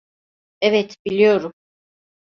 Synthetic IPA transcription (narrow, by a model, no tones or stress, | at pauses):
ɛvɛt̪bilʲijo̞ɾum